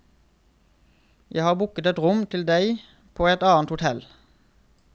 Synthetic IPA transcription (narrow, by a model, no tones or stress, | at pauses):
jæɪhɑːʁbʊkət̪ɛt̪ʁʊmt̪ʰɪld̪æɪ | pʰoːɛt̪ɑːnt̪hʊt̪ʰɛl